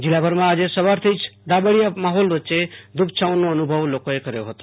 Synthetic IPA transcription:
d͡ʒilabʱəɾmãad͡ʒesəbaɾt̪ʰəjt͡ʃʰd̪abəɽijamaɦolbət̪ːt͡ʃed̪up̚ʰt͡ʃaʊnoənubʱəʋlokoekəɾeɦot̪o

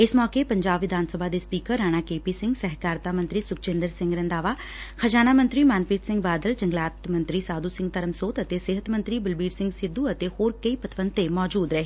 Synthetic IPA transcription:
ɪsmɔːkepəɲd͡ʒaːbʋɪd̪ʱaːnsəbʱaːd̪eːspiːkəɾːaːɽ̃aːkeːpiːsɪ̃ŋɡsɛɦkaːɾt̪aːmə̃nt̪ɾiːsʊkt͡ʃɪ̃ːnd̪əɾsɪ̃ŋɡɾənd̪aːʋaː | kʰəd͡ʒaːnaːmə̃nt̪ɾiːmaːnpiːt̪sɪ̃ŋɡ̚baːd̪əld͡ʒəŋɡlaːt̪mə̃nt̪ɾiːsaːd̪uːsɪ̃ŋɡ̚t̪əɾəmsoːt̪ət̪eːsɪɦət̪mə̃nt̪ɾiːbəlbiːɾsɪŋɡsɪd̪ːuːət̪eːhoːɾkəiːpət̪ʰʋənt̪emɔːd͡ʒuːd̪ɾəɦe

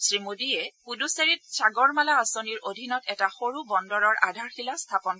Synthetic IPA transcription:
sɹimodiɛpuduseɹit̚saɡɔɹmalaːsoniɹodʱinɔtɛtaxoɹubɔndɔɹɔɹʔa̰dʱaɹxilastʰapɔn

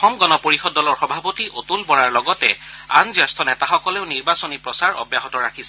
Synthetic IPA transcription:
ɔmɡɔnɔpoɹixɔdːɔlɔɹxɔbʱapotiʔotulbɔɹaɹlɔɡɔtɛ̰ | anzɔstʰɔnɛtaxɔkɔleʊniɹbasonipɹɔsaɹɔ̰bjaɦɔtɔɹakʰisɛ

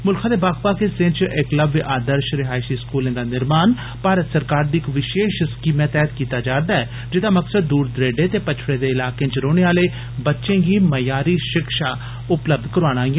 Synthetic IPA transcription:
mʊlkʰaːd̪eːbaːkpaːkeːsɪ̃nt͡ʃʔɪkləbʔaːd̪əɾʃɾɪɦaːɪsiːskuːlẽːd̪aːnɪɾmaːn | paːɾət̪səɾkaːɾd̪iːɪkʋɪʃeːʃskiːmɛ̃ːt̪ɛːət̪kiːt̪aːd͡ʒaːɾd̪aːɛː | d͡ʒɪd̪aːməksəd̪ːuːɾd̪ɾeːɖeːt̪eːpət͡ʃʰɽẽːd̪eːɪlaːkẽːt͡ʃɾoːɽ̃eːaːleː | bətːʃẽːɡiːməjaːɾiːʃɪkʃaː | ʊpləb̚d̪kəɾaːɽ̃aːɡɛ

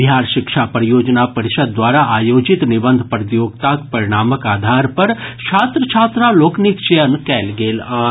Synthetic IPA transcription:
bɦaːɾʃɪkʃapəɾjoːd͡ʒnapəɾɪʃəd̪̚ːʋaːɾaʔaːjoːd͡ʒɪt̪nɪbənd̪ʱpəɾt̪joːɡt̪akpɐɾɪɽ̃aːməkaːd̪ʱaːɾpɐɾt͡ʃʰaːt̪ɾət͡ʃʰaːt̪ɾaloːknɪkt͡ʃejənkɛːlɡeːlaː

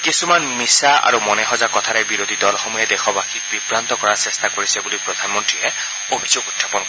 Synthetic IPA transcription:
kisumanmisaa̰ɹumɔnɛxɔzakɔt̪ʰaɾɛjbiɾod̪ʱid̪ɔlxɔmujɛd̪exɔbaxit̚bibɹant̪ɔkɔɹasest̪akoɹisɛbulipɹɔd̪ʱanmɔntɹiɛ | obʱizoɡud̪ʰʱːapɔn

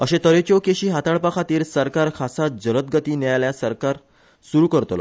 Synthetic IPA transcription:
əɕẽt̪əɾet͡ɕokeɕiːɦat̪aɭpakʰat̪iːɾsəɾkaɾkʰasat̪̚d͡ʑələt̪̚ɡət̪iːnɛjajljasəɾkaɾ | suɾuːkəɾt̪lɔ̰

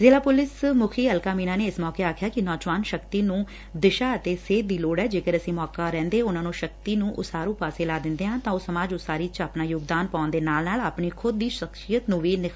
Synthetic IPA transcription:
zeːlaːpʊlɪsmʊkʰiːəlkaːmiːnaːneːɪsmɔːkeːaːkʰjaːkɪnɔːd͡ʒʋaːnʃəkt̪iːnũː | d̪ɪʃaːət̪eːseːd̪iːloːɽɛːd͡ʒeːkəɾəsĩːmɔːkaːɾɛ̃ːnd̪eːʊnãːnũːʃək̚t̪iːnũːʔʊ̰saːɾũːpaːseːlaːd̪ɪ̃nd̪eːɦãːt̪ãːoːsəmaːd͡ʒʊsaːɾiːt͡ʃaːpnaːjʊɡd̪aːnpaːnd̪eːnaːlnaːlaːpɳiːkʰʊd̪ːiːʃəkʃijət̪nũːʋiːnɪkʰ

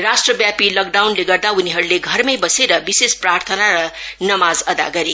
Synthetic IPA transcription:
rasʈrʌbjapilʌk̚ɖawnleɡʌrd̪auniɦʌɾuleɡʱʌrmʌjbʌseɾʌbisesprart̪ʰʌnaɾʌnʌmazʌd̪a̰ɡʌɾe

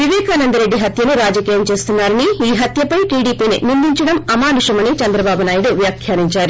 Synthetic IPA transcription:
ʋiʋɛːkaːnɐnd̪ɐɾe̞ɖːiɦɐt̪jɐnuɾaːd͡ʒɐkiːjɐmt͡ʃe̞ːst̪unːaːɾɐniiːɦɐt̪jɐpɐjʈiːɽiːpiːnḭnind̪iɲt͡ʃɐɽɐmɐmaːnuʂɐmɐnit͡ʃɐnd̪ɾɐbaːbunaːjiɽuʋjaːkʰjaːɾiɲt͡ʃaːɾu

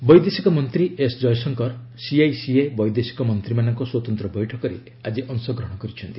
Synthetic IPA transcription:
bɔjd̪esikɔmɔnt̪ɾiesd͡ʒɔjsɔŋkɔɾ | siajsiebɔjd̪esi̥kɔmɔnt̪ɾimanɔŋkɔswɔt̪ɔnt̪ɾɔbɔjʈʰɔkɔɾḛ | ad͡ʒiʔɔŋsɔɡɾɔɦɽ̃ɔkɔɾit͡ʃʰɔnt̪i̥

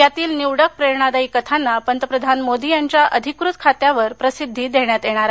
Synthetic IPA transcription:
jat̪iːlniwɽək̚pɾeɾɳad̪aikət̪ʰanːapənt̪əpɾəd̪ʱanmod̪ijaɲt͡ɕjaʔəd̪ʱikɾut̪̚kʰat̪jaʋəɾpɾəsid̪ʱːiːd̪ʱeɳjat̪jeɽ̃aɾa

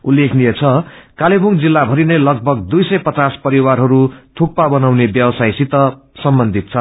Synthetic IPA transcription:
ulːekʰnijet͡sʰʌkalebʱuŋd͡zilːabʱʌɾinʌjlʌɡ̚bʱʌɡd̪ujsʌjpʌt͡saspʌɾiwarɦʌɾut̪ʰuk̚pabʌnawnebjʌwʌsajsit̪ʌ | sʌmbʌnd̪ʱit̪̚t͡sʰʌ

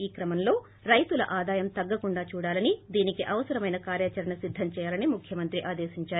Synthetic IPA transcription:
iːkɾɐmɐmlo̞ː | ɾɐjt̪ulɐ̰ʔaːd̪aːjɐmt̪ɐɡːɐkuɳɖaːt͡ʃuːɽaːlɐnid̪iːnikiʔɐʋɐsɐɾɐmɐjnɐkaːɾjaːt͡ʃɐɾɐɳɐsid̪ʱːɐmt͡ʃɛːjaːlɐnimukʰjɐmɐnt̪ɾiʔaːd̪eːsiɲt͡ʃaːɾu

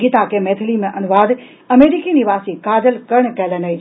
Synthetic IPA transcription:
iːt̪akʰemeːt̪ʰɪlimẽʔɐnʊʋaːd̪ | ɐmeːɾikiniʋaːsikaːd͡ʑəlkɐɾəɽ̃kɐlənəi

